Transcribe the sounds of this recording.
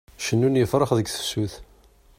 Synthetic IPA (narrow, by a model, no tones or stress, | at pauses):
ʃənːunjəfɾˤəχðəɡθə̥sːuθ